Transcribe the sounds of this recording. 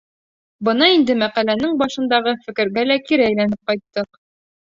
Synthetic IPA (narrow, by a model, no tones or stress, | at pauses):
bɤnɑind̪ɘmæqælænɘŋbɒʃɤ̆nd̪ɑʁɤfɘ̆kɘ̆ɾɡælækiɾɘæjlænɘp̚qɒjt̪ːɤq